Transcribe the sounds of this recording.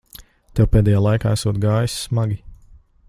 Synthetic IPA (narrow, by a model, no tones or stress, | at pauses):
t̪ɛwpɛːd̪ɛjaːlˠajka̰ːæsuɔt̪̚ɡaːjisːmaɡʲi